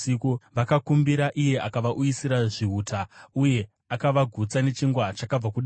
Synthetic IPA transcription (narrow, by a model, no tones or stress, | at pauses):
ikuʋakakumbiɾaʔije̞ʔakaʋaʔujisiɾaʐiɦutʰauje̞ | akaʋaɡʱut͡sane̞t͡ʃiŋɡwat͡ʃakab͡vakuɗa